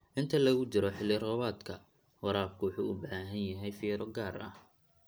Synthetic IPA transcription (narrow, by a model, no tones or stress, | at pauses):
ʔɪnt̪ʰɐlɐɣʊt͡ʃɪɾɔħɪlːɪrɔβaːd̪kʰɐ | wɑɾaːb̚kʰʊwʊħṵːʊbaːɦɐnjɐɦɛjfiːɾɔɡaːɾɐ̰h